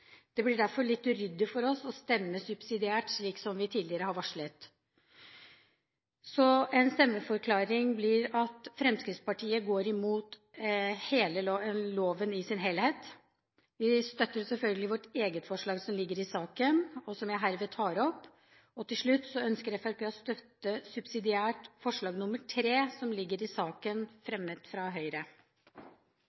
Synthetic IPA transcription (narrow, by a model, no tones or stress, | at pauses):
d̪̥ɛblɪɖæɾfɔɭɪt̪ːʉɾʏd̪ːəfɔɾɔsɔst̪ɛmːəsʉb̥sɪd̪ɪæːʈʂɭiːksɔmʋɪt̪ʰiːd̪lɪəɾəhɑɾʋɑʂɭət̪ | sɔɛnst̪ɛmːəfɔɾkʰlɑːɾɪŋblɪɾɑt̪fɾɛmskɾɪt̪spɑʈʰiːəɡoːɾɪmuːt̪ | heːləloːʋənɪsɪnɦeːlheːt̪ | ʋɪst̪œt̪ːəɾsɛlfœlɡəlɪʋɔʈeːɡət̪fɔʂɭɑːɡsɔmlɪɡːəɾɪsɑːkənɔsɔmjæɪɦæːɾʋɛːt̪ʰɑːɾɔpː | ɔt̪ʰɪlʂɭʉt̪ːsɔœnskəɾjæfɑkʋɛɔst̪œt̪ːəsʉbsɪd̪ɪæːʈfɔʂɭɑːɡnʊmːəʈʰɾeːsɔmlɪɡːəɾɪsɑːkənfɾɛmːət̪fɾɑɦœʏɾə